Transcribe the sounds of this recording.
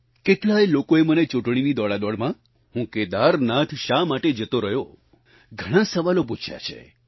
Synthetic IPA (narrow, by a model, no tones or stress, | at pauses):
keʈlajlokoemənet͡ʃuʈɳ̃inid̪ɔɭad̪ɔɽmã | ɦũked̪aɾnat̪ʰʃamaʈed͡ʒət̪oɾəɦjo | ɡʱəɽ̃ãsəʋalop̬ut͡ʃʰja̰t͡ʃʰḛ